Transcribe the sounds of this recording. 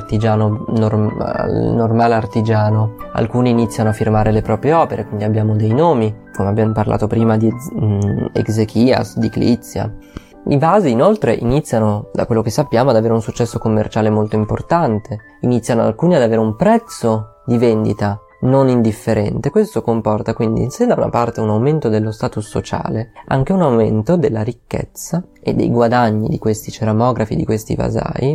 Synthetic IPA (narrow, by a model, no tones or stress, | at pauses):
t̪id͡ʒaːnonora̰normaːleart̪id͡ʒaːnoa̰lkuːniːnit̪sːjanoafːirmaːɾelepɾɔːpɾjeɔːpeɾʔekwind̪iabːjaːmod̪ejnoːmikomeabjaːmoparlʔa̰ːt̪opɾiːmad̪i | ḛkzekʰiːa̰sd̪iklḭt̪sːja̰ | ivaːziːnolt̪ɾeʔinit̪sːjanod̪a̰kwelːokesːapːjaːmoad̪aveːɾeunsut͡ʃːɛsːokomːḛrt͡ʃaːlemolt̪oimport̪ant̪ʰe | init̪sjanoa̰lkuːniad̪aveːɾeumpɾɛt̪sːo | d̪ivend̪it̪a | nonind̪ifːeɾɛ̰nt̪ekwest̪okompɔrt̪akwind̪ḭsed̪awna̰part̪eunawment̪od̪elːost̪aːt̪usːo̰t͡ʃa̰ːlea̰ŋk̟eunawment̪od̪elːaɾikːḛt̪sːaḛd̪ːḛjɡwad̪aɲːḭd̪ikwest̪it͡ʃeɾamɔːɡɾafḭd̪ikwest̪ḭva̰za̰ːi